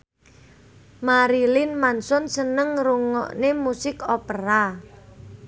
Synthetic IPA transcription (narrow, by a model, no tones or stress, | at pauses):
maɾilɪnmansɔnsənəŋruŋɔ̰ʔnemusɪkɔpəɾa